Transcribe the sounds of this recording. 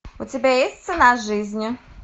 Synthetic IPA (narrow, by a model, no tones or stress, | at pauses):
ʊtʲɪbʲajesʲt̪̚ʲt̪sɨnaʐɨzʲnʲɪ